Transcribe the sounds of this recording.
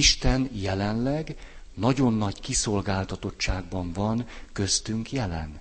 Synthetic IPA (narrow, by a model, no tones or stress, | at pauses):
iʃt̪ɛnjɛlɛnlɛɡ | nɒɟo̞nːɒɟkiso̞lɡaːlt̪ɒt̪o̞tt͡ʃːaːɡ̚bɒɱvɒnkø̞st̪yŋkjɛlɛ̰n